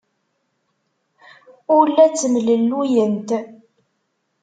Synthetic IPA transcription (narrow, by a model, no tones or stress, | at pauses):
ʊɾlːæt͡sːəmləlːujənt̪